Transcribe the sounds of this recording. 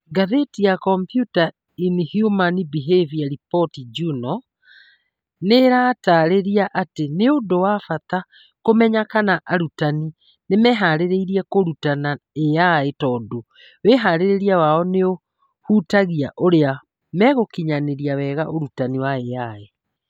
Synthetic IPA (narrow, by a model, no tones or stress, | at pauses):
ɡaðetijakɔmpjuta | inihjumanibiɦeviaɾipɔtid͡ʒunɔ | neɾaːtaɾeɾiaʔateneondowafat̪a | komɛɲakanaʔaɾutani | nemɛɦaɾeɾeiɾiɛkoɾutana | eaetɔːdo | wɛɦaɾeɾeɾiawaɔneo | huːtaɣiaʔoɾea | mɛɣokiɲaneɾiawɛɣaʔoɾutaniwaeae